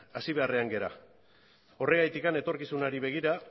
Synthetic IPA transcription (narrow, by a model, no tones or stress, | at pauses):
asiβe̞are̞aŋɡe̞ɾa̰ | o̞re̞ɣajt̪ikane̞t̪o̞ɾkisunaɾiβ̞e̞ɣ̞iɾa